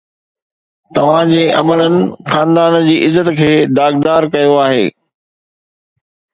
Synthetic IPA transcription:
t̪ɐʋ̤ãd͡ʑeːʔɐ̰mələnɪ̆xaːnd̪aːnd͡ʑiːʔɪzːət̪kʰeːd̪aːɡ̚d̪aːɾkɐjoaːɦḛː

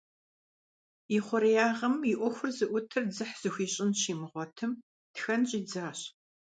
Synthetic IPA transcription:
iχʷɔɾijaːʁɐmiʔʷɔxʷʊrzɨʔʷʊtʰɨrd͡zɨħz̥ɨxʷiːɕʼɪnɕiːmɨʁʷɔtʰɨm | txɐnɕʼiːd͡zaːɕ

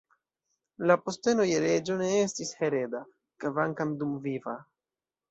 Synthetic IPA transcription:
lapo̞ste̞nojeɾe̞d͡ʒo̞ne̞estishe̞ɾe̞da | kavaŋkamdumviva

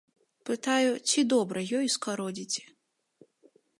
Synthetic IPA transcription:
pɨt̪ajut͡sʲid̪ɔbɾɐjɔjskaɾɔd͡zʲit͡sʲɛ̥

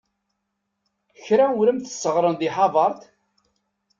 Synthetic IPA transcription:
çɾawɾəmθəsːəʁɾˤənðiħɑvˤɑɾˤt̪

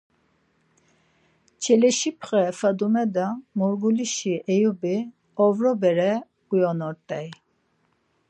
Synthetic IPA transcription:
t͡ʃʰɛlɛʃipʰχɛfad̪umɛd̪amɔɾɡuliʃiʔɛjubi | ɔvɾɔbɛɾɛ | ujɔnɔɾt̪ʼɛj

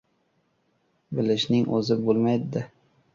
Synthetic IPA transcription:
bɪlɪʃnɪŋɵzɪbolˠmajd̪ɪd̪ɪ

